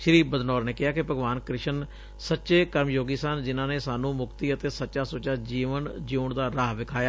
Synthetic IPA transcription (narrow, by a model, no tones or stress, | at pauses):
ʃɾiːbəd̪nɔːɾneːkɪɦaːkɪpəɡʋaːnkɾɪʃən | sətːʃeːkəɾməjoːɡiːsənd͡ʒɪnãːneːsaːnũːmʊkt̪iːət̪eːsətːʃaːsoːt͡ʃaːd͡ʒiːʋənd͡ʒiːɳd̪aːɾaːɦʋɪkʰaːjaː